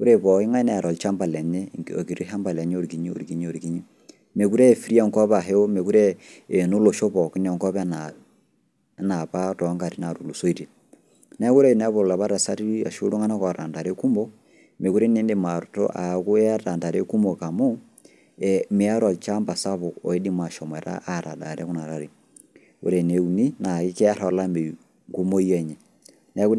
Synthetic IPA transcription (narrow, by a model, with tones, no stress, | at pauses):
ku˦ɾe˦βɔ˨i˦ŋa˦ne˨a˨ɾo˨lt͡ʃa˦mba˨le˨ɲeŋɡo̰˨ki˨ɾi˦a˦mba˨le˨ɲ˦o˦ɾiki˨ɲi˦o̰˨ɾi˨kiɲ˦o˨ɾi˨ki˦ɲi | me˨ku˦ɾe˦˨fi˦ɾi˦a˦˨ŋko˦βa˨ɦe˦o˦me˨ku˦ɾe˦e˨nu˦lo˨ʃo˦βɔ˨ki˦n˦˨ɔ˨ŋko˦βna | na˨βa˦to˨˦ŋɡa˨ɾi˦na˨ɾu˨lu˨so˦i˦ɾi | ne˦ku˦ɾe˦na˦βo˨la˨βa˦ɾa˨sa˦ɾi˦ia̰˨ʃṵ˦ɾu˦ŋa˦na˦ka˨ɾa̰˨nda˨ɾe˦ku˦mo˦ | me˨ku˦ɾi˦ni˦nde˨maɔtɔ̰˦ʔa̰˨ku˦a˦ta˨nda˨ɾe˦ku˦mo˨ka˨mu˦ | ɛmi˨a˦ɾɔa˨t͡ʃa˦mba˨sa˦βɔ˨ɔ˨i˦di˦ma˨ʃɔ˨mwɛ˨ɾa̰˦ʔːɾa˨da̰˨ɾɛ˦ku˦na˨ɾa˦ɾi˨ | ṵ˨ɾe˨ne˨u˨ni˦na˨ki˦kɛ˦a˦ɾa˨la˦me˨ | ŋɡu˦mo˦i˦ɛ˦ɲɛ | nɛ˦ku˦